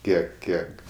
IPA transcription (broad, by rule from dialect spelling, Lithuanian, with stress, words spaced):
ˈkʲiɛk ˈkʲiɛk